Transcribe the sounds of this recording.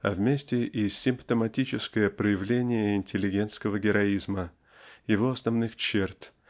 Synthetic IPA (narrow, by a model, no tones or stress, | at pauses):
ɐ̰vmʲesʲtʲɪʔisʲːɪmpt̪əmɐtʲit͡ɕɪskəjəpɾəjɪvlʲenʲɪjəɪnʲtʲɪlʲːɪɡʲe̞nt̪skəvəɡʲɪɾɐizmə | jɪvo̞ɐsnɐvnɨxt͡ɕert̪